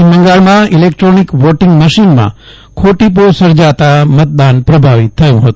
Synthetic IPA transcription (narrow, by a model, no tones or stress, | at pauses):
məŋɡaɭmãilekʈɾonikʋɔʈɪŋɡməʃinmã̰ | kʰoʈip̬osəɾd͡ʒat̪amət̪̚d̪anpɾəbʱaʋit̪ʰːəjũɦət̪ũ̥